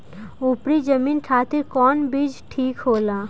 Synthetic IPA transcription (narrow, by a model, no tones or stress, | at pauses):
upɾid͡ʒəminʈʰaːt̪iɾkɔːnbid͡ʒʈʰiːkɦoːlaː